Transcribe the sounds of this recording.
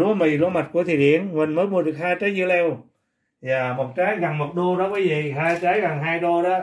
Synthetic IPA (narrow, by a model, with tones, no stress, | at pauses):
lu˨˧˦əmi˨˩ɗo˧ma˨˩t̚ku˧˩ət̪ʰḭ˧˨˩ɗḭ˧˨ənmï˨˩ŋ̟məː˨˦jmu˧əɗɨ˨˩ək̚haː˧jt͡ɕəː˨˦jzɨ˧əlɛ˧w | zaː˨˩mo˨˩t̚t͡ɕaː˨˦jɣa˨˩ŋmo˨˩t̚ɗo˧ɗɔ˨˦kiː˨˦jvi˨ɦaː˧jt͡ɕaː˨˦jɣa˨˩ŋɦaː˧jɗo˧ɗɔ˨˦